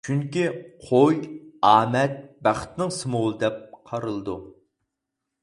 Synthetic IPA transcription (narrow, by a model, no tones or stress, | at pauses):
t͡ʃʰyŋkʲiqʰojɑːmɛt̪̚bæχt̪nɨŋsɨmolˠɨd̪ɛp̚qʰɑɾɨlˠɨd̪ṵ